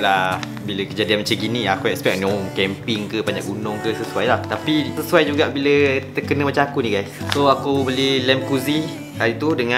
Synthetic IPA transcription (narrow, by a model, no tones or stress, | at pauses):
la | biləkəd͡ʒadianmat͡ʃəɡinĩakuɛkspɛk̚nɔŋkɛmpɪŋkəbaɲaʔɡunʊŋkəsəsuajlaht̪apisəsuajd͡ʒuɡaʔbilət̪əkənə̃mat͡ʃãakunĩɡajssoakubəlilɛmkuzi | kalit̪udəŋã